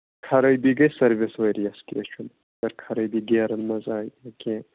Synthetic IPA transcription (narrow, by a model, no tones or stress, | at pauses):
kʰɐɾɐjbiɡɐjsɐɾviswɐɾijɐskʲḛːt͡ʃʰun | dɐɾkʰɐɾɐjbiɡeːɾɐnmɐzaːjɐkʲẽ